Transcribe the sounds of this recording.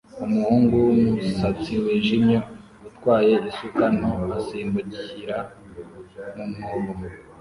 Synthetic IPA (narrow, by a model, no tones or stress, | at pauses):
umuhuːŋɡuwumusat͡siwiːnʒimɲo | utkwaːje̞isukanoasiːmbuɟiçiɾa | mumhuːmumu